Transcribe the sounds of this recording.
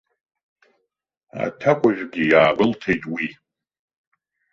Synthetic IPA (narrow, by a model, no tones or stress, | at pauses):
a̰tʰakʷʰʼaʒᶣɡʲijaːbʼɨltʰejtʼwi